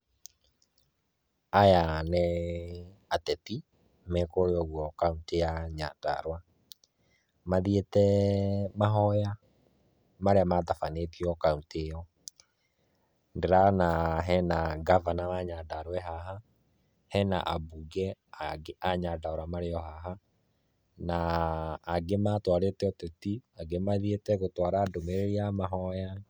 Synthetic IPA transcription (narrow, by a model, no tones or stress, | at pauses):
ajanɛ | atɛti | mɛkoɾeɔɣwɔkauntejaɲa̰da̰ɾwa | maðietɛmaɦɔja | maɾeamaðafanekiɔkauntejɔ | ndeɾanaɦɛnaɡavanaaɲadaɾwɛɦaɦa | hɛna̰ʔa̰buɡɛaɡeʔaɲadaoɾamaɾeɔɦaɦa | naː | ɡematwaɾeteɔtetiaɡemaðietɛɣotwaɾadomeɾeɾiamaɦɔja